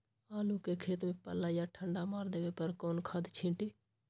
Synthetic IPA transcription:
aːlukekʰeːt̪mẽpə̰laːjaʈʰəɳɖamaːɾd̪eːʋepəɾkoːnkʰaːd̪t͡ʃʰĩʈi

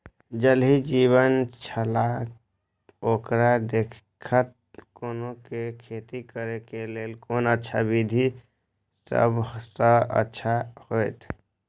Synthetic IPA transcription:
d͡ʒəlɦid͡ʒiβənt͡ʃʰəlak | okɾad̪ekkʰət̪̚ | konokekʰet̪ikəɾekelelkonətːʃʰabid̪ʱi | sə̰bsə̃ə̰tːʃʰahojt̪ʰ

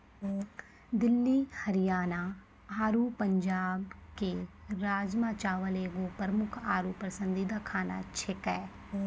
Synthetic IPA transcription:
d̪ɪlːihɐɾɪjaːna | aːɾupə̃ɲd͡ʒaːbkeɾaːd͡ʒmaːt͡ʃaːʋəleːɡopəɾəmʊkʰaːɾupɾəsə̃nd̪id̪akʰaːna̰t͡ʃʰekɛː

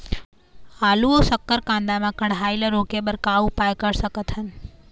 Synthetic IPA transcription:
aːluosəkːəɾkãːnd̪amãkəɽɦailəɾokebəɾkaːʋũpajkəɾsəkət̪ɦən

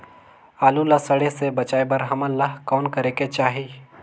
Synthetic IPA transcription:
aːlulasəɽesebɐt͡ʃaːebɐɾɦɐməlːaɦkɔːnkɐɾeket͡ʃaːɦi

